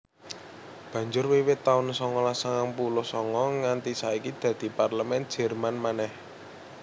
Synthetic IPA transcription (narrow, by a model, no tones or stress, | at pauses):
b̥ä̤ɲd͡ʒʊrwiwɪt̪ːaʊnsɔŋɔlasaŋaŋpulʊhsɔŋɔŋant̪isaikid̪̥ä̤d̪̥i̤parləmɛnd̥ʒ̥ɛ̤rmanmanɛh